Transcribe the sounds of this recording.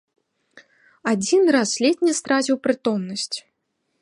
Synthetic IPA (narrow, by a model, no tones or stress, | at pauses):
ad͡zʲinraslʲɛt̪̚ʲnʲɛst̪ɾazʲiwpɾɨt̪ɔmnɐsʲt͡sʲ